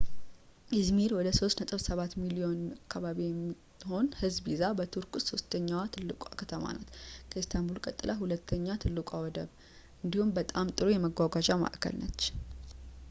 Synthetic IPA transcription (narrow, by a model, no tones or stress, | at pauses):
ɪzmiɾwɔd̪əso̞st̪nət̪ʼɨβsəβat̪milio̞nakʰːaβaβijɛmːi | ho̞nhɨzbizabət̪ʰuɾkʼuso̞st̪ʰəɲːawat̪ʰɨlːɨkʼakʰət̪ʰəma̰na̰t̪kʰəist̪ʰambulkʼət̪ʼːɨlʔaɦulət̪ʰːəɲːat̪ʰɨlːɨkʼawɔd̪əβ | ʔɨnd̪ihumbət̪ʼamt̪ʼɨɾojɛməɡʷaɡad͡ʒʼama̰ʔkʰə̰lnə̰t͡ʃː